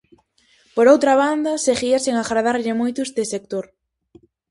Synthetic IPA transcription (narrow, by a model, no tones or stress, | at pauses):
poɾowt̪ɾaβ̞and̪ɐseɣiaseŋaɣɾaðaɾʎɪmojt̪ʊest̪esek̚t̪oɾ